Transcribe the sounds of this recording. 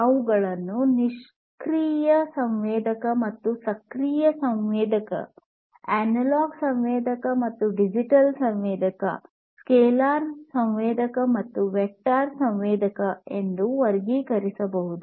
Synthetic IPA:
ɐʋuɡɐɭɐnːuniʂ | kɾiːjɐsɐmʋɛːd̪ɐkɐmɐt̪ːusɐkɾiːjɐsɐmʋɛːd̪ʱɐkɐ̰ | æːnɐlaːɡsɐmʋɛːd̪ʱɐkɐmɐt̪ːuɖid͡ʒiʈɐlsɐmʋɛːd̪ɐkɐ̰ | skeːlaːɾsɐmʋɛːd̪ɐkɐmɐt̪ːuʋek̚ʈaːɾsɐmʋɛːd̪ʱɐkɐend̪uʋɐɾɡikɐɾisɐbɐɦud̪u

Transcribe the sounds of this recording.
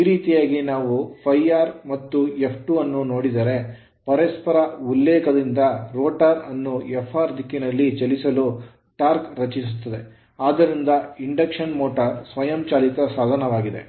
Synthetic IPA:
iːɾiːt̪ijaːɡinaːʋupʰɐjaːɾmɐt̪ːuepʰʈuɐnːuno̞ːɽid̪ɐɾe̞ | pɐɾɐspɐɾɐulːɛːkʰɐd̪ind̪ɐɾoːʈaːɾɐnːuɛpʰːaːɾd̪ʱikːinɐlːit͡ʃɐlisɐlu | ʈaːɾkɾɐt͡ʃisut̪ːɐd̪e̞ | aːd̪ɐɾind̪ɐiɳɖɐkʂɐnmoːʈɐɾsʋɐjɐmt͡ʃaːlik̪ɐsaːd̪ʱɐnɐʋaːɡid̪e̞̰

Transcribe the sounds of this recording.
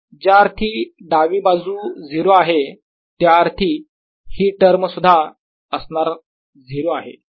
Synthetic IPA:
d͡ʑjaəɾt̪ʰiːɖaʋiːbad͡zuːd͡ziɾoaɦe | t̪jaəɾt̪ʰiː | hiːʈəɾməsud̪ʱːa | əsnaɾ | d͡ziɾoaɦḛ

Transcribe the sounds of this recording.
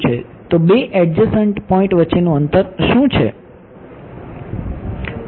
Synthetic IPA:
t͡ʃʰḛ | t̪obeʔɛɖ̚d͡ʒəsəɳʈpɔĩɳʈʋətːt͡ʃːenũənt̪əɾʃũt͡ʃʰḛ

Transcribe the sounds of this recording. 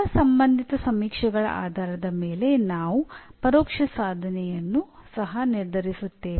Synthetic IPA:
ɐsɐmbɐnd̪ʱit̪ɐsɐmiːkʂɐɡɐɭɐ̰ʔa̰ːd̪ʱaːɾɐd̪ɐmeːle̞naːʋupɐɾɔːkʂɐsaːd̪ʱɐnɛjɐnːusɐɦɐniɾd̪ʱɐɾisut̪ːe

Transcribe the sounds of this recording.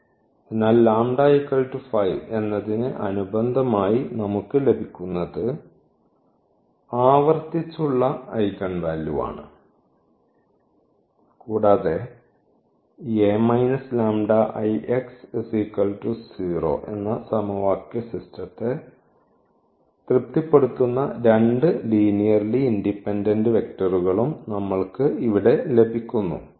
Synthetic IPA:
enːaːllaːmɖɐɐjkːɐlʈufɐjʋe̞nːɐðinɨʔɐnubɐnd̪ʱɐmaːjinɐmukːɨle̞bʱikʲːunːɐðɨ | aːʋɐrt̪it͡ɕːuɭːɐɐjkɐɳʋaːljuʋa̰ːɳɨ̰ | kuːɽaːðe | emɐjnɐslaːmɖɐʔɐjʔeksesikːɐltusiːro̞̰ːʔe̞nːɐsɐmuʋaːkːɐsistɐt̪ːe | t̪rip̚t̪ipːe̞ɽut̪ːunːɐɾeɳɖɨliːnijɐrliːndipːendendɨʋe̞k̚tɐruɣɐɭumnɐmːɐɭkɨiʋiɽe̞le̞bʱikʲːunːṵ

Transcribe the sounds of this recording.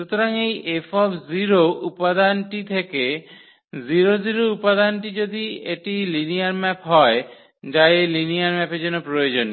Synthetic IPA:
ʃut̪oɾaŋejʔefɔbziɾoupad̪anʈit̪ʰeke | ziɾoziɾoupad̪anʈid͡ʑod̪ieʈiliniaɾmɛpɦɔe | d͡ʑaelinijaɾmɛpeɾd͡ʑonːopɾojod͡ʑonːi

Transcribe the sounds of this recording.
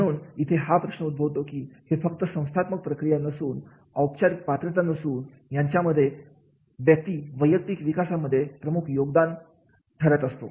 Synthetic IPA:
məɽ̃uːnit̪ʰeɦapɾəɕnəud̪̚bʱəʋt̪okiːhefək̚t̪əsə̃w̃st̪ʰat̪mək̚pɾəkɾijanəsuːn | əwpt͡ɕaɾikpat̪ɾət̪anəsuːn | jaɲt͡ɕjaməd̪ʱːje | ʋjək̚t̪iːʋəjək̚t̪ikʋikasamːəd̪ʱːjepɾəmukʰjoɡd̪an | ʈʰəɾət̪əst̪o̰

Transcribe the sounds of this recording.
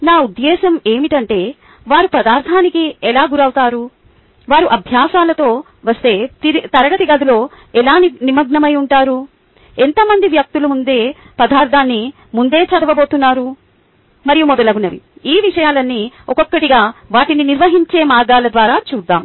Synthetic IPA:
naːud̪ːɛːʃɐme̞ːmiʈɐɳʈe̞ː | ʋaːɾupɐd̪aːɾt̪ʰaːnikiɛlaːɡuɾɐwt̪aːɾu | ʋaːɾuʔɐbʱjaːsaːlɐt̪o̞ː | ʋɐst̪e̞ːit̪ɐɾɐɡɐt̪iɡɐd̪ulo̞ː | ɛlaːninimɐɡɳɐmɐjuɳʈaːɾu | ent̪ɐmɐnd̪iʋjɐk̚t̪ulumund̪e̞ː | pɐd̪aːɾt̪ʰaːnːi | mund̪e̞ːt͡ʃɐd̪ɐʋɐbo̞ːt̪unːaːɾu | mɐɾijumɔd̪ɐlɐɡunɐʋḭiːʋiʂɐjaːlɐnːiɔkɔkːɐʈiɡaːʋaːʈininiɾʋɐɦiɲt͡ʃe̞ːmaːɾɡaːlɐd̪ʋaːɾaːt͡ʃuːd̪ːaːm

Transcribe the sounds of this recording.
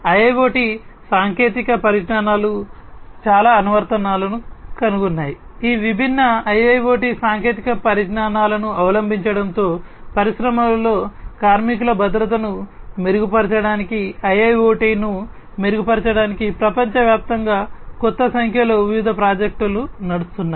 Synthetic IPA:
ɐjɐjʋoːʈisaːŋke̞ːt̪ikɐpɐɾiʈnaːnaːlut͡ʃaːlaːɐnuʋɐɾt̪ɐnaːlɐnukɐnuɡunːaːji | iːʋibʱinːɐɐjɐjʋoːʈisaːŋke̞ːt̪ikɐpɐɾiʈnaːnaːlɐnuɐʋɐlɐmbʱiɲt͡ʃɐɽɐnt̪o̞ːpɐɾiʃɾɐmɐlo̞ːkaːɾmik̬ulɐbɐd̪ɾɐt̪̬ɐnu | meɾuɡupɐɾt͡ʃɐɽaːnikiɐjɐjoːʈiːnu | meɾuɡupɐɾt͡ʃɐɽaːnikipɾɐpɐɲt͡ʃɐʋjaːp̚t̪ɐŋɡaːkɔt̪ːɐsɐŋkʰjɐloːubʱiʋid̪ʱɐpɾaːd͡ʒek̚ʈulunɐɽust̪unːaː

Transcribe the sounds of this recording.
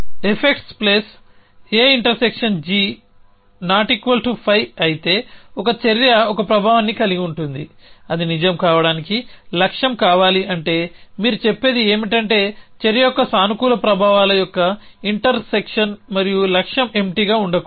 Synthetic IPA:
epʰekʈspleːs | eːiɳʈɐɾsekʂɐnd͡ʒiː | naːʈikʋɐlʈupʰɐjɐjit̪e̞ːɔkɐt͡ʃɐɾjɐɔkɐpɾɐbʱaːʋɐnːikɐliɡiuɳʈund̪ḭɐd̪inid͡ʒɐmkaːʋɐɽaːnikilɐkʂɐmkaːʋaːliʔɐɳʈe̞ːmiːɾut͡ʃepːe̞ːd̪ie̞ːmiʈɐɳʈe̞ːt͡ʃeɾjɐjɔkːɐsaːnukuːlɐpɾɐbʱaːʋaːlɐjɔkːɐ | iɳʈɐɾsekʂɐnmɐɾijulɐkʂjɐme̞mʈiːɡaːuɳɖɐku

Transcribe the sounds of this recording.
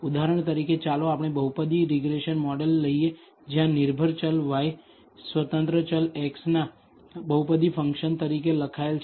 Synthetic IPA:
ud̪aɾəɳ̃t̪əɾiket͡ʃaloapɳ̃ebəɦupəd̪iɾiɡɾeʃənmɔɖelːəije | d͡ʒjãnɪɾbʱəɾt͡ʃəlʋaj | sʋət̪ə̃nt̪ɾət͡ʃəleksna | bəupəd̪ifə̃ŋkʃənt̪əɾikeləkʰaelt͡ʃʰ

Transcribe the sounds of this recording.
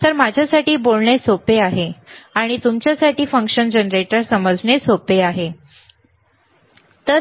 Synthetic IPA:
t̪əɾmad͡ʑʱjasaʈiːbolɳesopeaɦeaɽ̃it̪umt͡ɕjasaʈiːfə̃ŋkʂənd͡ʑənɾeʈəɾsəməd͡zɳesopeaɦe | t̪ə

